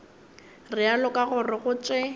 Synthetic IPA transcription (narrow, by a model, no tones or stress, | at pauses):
rɪalɔkʼaɣʊrɪɣʊt͡ʃʼɪ